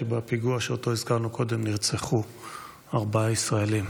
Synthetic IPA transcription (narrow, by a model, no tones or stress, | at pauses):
ebapiɡuaʃeoto̞izkaʁnuko̞de̞mniʁt͡seχu | aʁbaaisʁaelim